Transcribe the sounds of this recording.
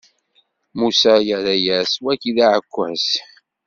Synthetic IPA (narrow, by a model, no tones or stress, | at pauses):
musajəɾæjæswækiðaʕəkʷːæ̰s